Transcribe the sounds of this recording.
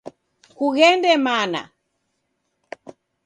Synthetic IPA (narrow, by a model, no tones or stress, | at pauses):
kuɣɛndɛmana̰